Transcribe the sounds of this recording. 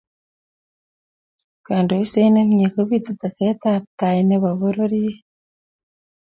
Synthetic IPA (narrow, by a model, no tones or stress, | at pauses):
kaːnduisenemɲekoβit̪ut̪aketaβtaineβaβoɾoɾije